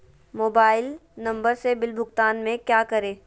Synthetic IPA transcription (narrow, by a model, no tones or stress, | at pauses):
moːbaːɪlnɐ̃mbəɾsebɪlbʱʊɡt̪aːnmẽkjaːkɐɾeː